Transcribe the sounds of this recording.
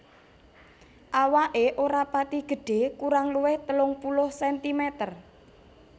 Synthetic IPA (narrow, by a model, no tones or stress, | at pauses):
ʔawaʔeʔoɾapat̪iɡ̥ə̤ɖ̥e̤kuɾaŋluwɪht̪əlʊŋpulʊhsɛnt̪imɛt̪ər